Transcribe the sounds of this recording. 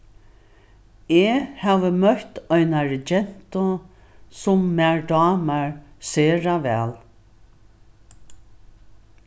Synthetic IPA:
ehɛːʋəmœht̪ɔjnaɹɪd͡ʒɛn̥t̪ʊ | sʊmːæɹd̪ɑːmaɹseːɹavɛːl

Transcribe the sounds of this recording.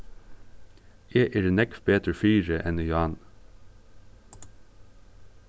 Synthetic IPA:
eːʔɪɾnɛkfbeːt̪əfyːɹəʔɛnʏjɑːn

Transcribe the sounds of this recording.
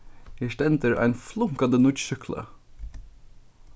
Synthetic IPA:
ɪʃʈɛnt̪əɹʔæ̰ɪnflʊŋkɑd̪ənʊɾʃʏkʰlə̰

